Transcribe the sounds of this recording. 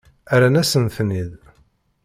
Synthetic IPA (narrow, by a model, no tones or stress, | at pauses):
æɾænæsənθnið